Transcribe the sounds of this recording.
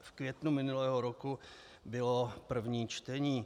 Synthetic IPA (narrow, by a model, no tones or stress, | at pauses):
fkvjɛt̪numɪnulɛːɦoɾoku | bɪlopr̩vɲiːt͡ʃt̪ɛɲiː